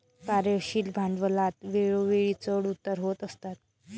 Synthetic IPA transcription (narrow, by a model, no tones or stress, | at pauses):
kaɾeɕiːlbʱaɳɖʋəlat̪ʋeɭoʋeɭit͡səɽut̪ːəɾɦot̪əst̪at̪̚